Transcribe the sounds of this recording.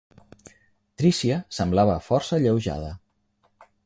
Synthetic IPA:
t̪ɾisiəsəmblaβəfɔɾsəʎəwʒa̰ðə

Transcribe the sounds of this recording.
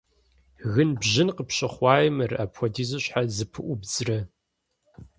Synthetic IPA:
ɣɨnbʑɪnqəpɕɐχʷɑːjɪmɨraːpxʷɐdiːzɨɕħazɨpʰɨʔʷʊbzrɐ

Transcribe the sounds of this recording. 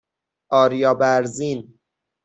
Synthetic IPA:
ɒːɾijɒːbæɾzin

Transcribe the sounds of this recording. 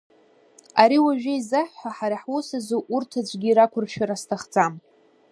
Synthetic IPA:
aɾiwaʒᶣaizaħːʷaħaɾaħwosazoʔurtʰad͡ʒʷʼɡʲiːɾakʷʰʊrʃᶣaɾastʰaχd͡zam

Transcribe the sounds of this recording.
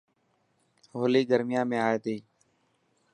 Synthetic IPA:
ɦoːliːɡəɾmɪjãːmẽːaːeːt̪iː

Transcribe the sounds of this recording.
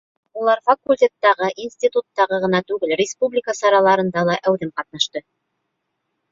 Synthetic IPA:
ulˠɑɾfɐkulʲtʲet̪ːɑʁɤʔinsʲt̪ʲit̪ut̪ːɑʁɤʁɤ̆nɑt̪ʉɡɘlrʲɪspublʲɪkəsɑɾɑlˠɑɾɤ̆nd̪ɑlˠɑʔæwðɘmqɑt̪nɑʃt̪ɤ

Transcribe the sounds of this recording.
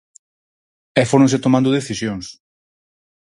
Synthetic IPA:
ɛfoɾõnset̪omãnd̪ʊð̞eθisjoŋs

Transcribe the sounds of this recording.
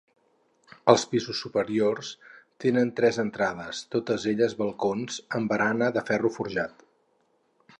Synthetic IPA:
əlˠspizusːupəɾiorst̪enənt̪ɾɛzənt̪ɾaðəst̪ot̪əzeʎəzβəlˠkonzəmbəɾanəðəfɛrufuɾʒat̪

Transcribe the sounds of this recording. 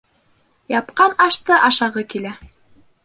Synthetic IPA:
jɑp̚qɑnɑʃt̪ɤʔɑʃɑʁɤkilæ

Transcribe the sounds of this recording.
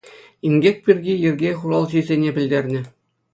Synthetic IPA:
imɡʲek̚ʲpʲirʲɡʲijɘ̆rʲɡʲeχuɾɑlˠʑijzʲenʲebʲɘ̆lʲdʲerʲnʲɘ̆

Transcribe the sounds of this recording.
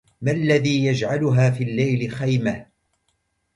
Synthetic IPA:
malːaðiːjad͡ʒʕalʊɦaːfiːlːajlɪxajmah

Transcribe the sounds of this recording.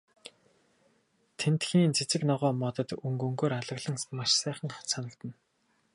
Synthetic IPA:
t̪ʰent̪xiːnt͡sʰet͡sɘ̆knɔʁɔːmɔt̪ɞ̆t̪ɵŋɡɵŋɡoːɾaɮə̆ɣɮə̆ŋmaʃsæːχə̆ŋχsʰanə̆kt̪ɘ̆n

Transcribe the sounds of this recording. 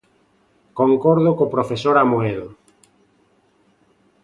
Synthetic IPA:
koŋkɔɾð̞ʊkopɾofesoɾamoeðo

